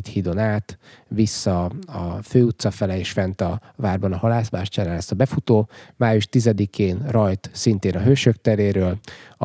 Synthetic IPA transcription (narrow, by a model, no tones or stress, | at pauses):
t̪hiːd̪o̞naːt̪visːɒɒ̰føːut̪sɒfɛlɛeːʃfɛnt̪ɒvaːrbɒnɒhɒlaːsbaːʃt͡ʃaɾaːlɛst̪ɒbɛfut̪oːmaːjuʃt̪izɛd̪ikʰeːnrɒjt̪sint̪eːnɒɦøːʃøkt̪ɛleːɾøːl